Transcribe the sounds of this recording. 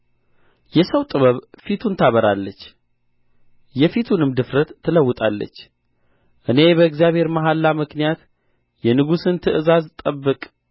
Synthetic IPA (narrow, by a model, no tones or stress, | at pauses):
jɛsəwt̪ʼɨβəβfit̪ʰunt̪ʰaβəɾalːət͡ʃː | jɛfit̪ʰunɨmd̪ɨfɾət̪ʰːɨləwːʊt̪ʼalːə̰t͡ʃː | ʔɨne̞bəɨɡzjaβhe̞ɾmaɦalːamɨknijat̪ | jɛnɨɡusɨnt̪ʰɨʔɨzazt̪ʼəbːɨkʼ